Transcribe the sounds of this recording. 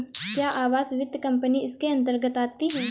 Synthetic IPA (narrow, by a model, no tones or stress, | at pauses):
kjaːʔaːʋaːzʋɪd̪kɐ̃mpəniɪskeɐ̃nt̪̬əɾɡət̪aːt̪iɦɛː